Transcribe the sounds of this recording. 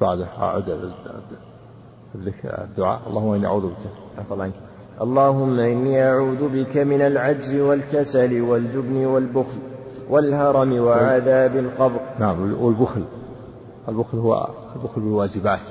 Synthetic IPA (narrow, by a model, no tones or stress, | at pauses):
baʕd̪aʔa̰ʕṵːd̪ | ablɪkd̪ːʊʕa̰ːʔɑlˤːɑːhʊmːaʔɪniʔa̰ʕuːðbɪka | afɑlˤːʔɪnk | ʔɑlˤːɑːhʊmːaʔɪnːiːʔaʕuːðʊbɪkamɪnalʕad͡ʒzɪwalkasalɪwald͡ʒʊbnɪwalbʊxlwʔalhɑɾˤɑmɪwaʕaðaːbɪlqɑbɾnaʕamwɪlbʊxl | ɪlbʊxlhʊwːa̰ | lbʊxlbɪlwaːd͡ʒɪbaːt̪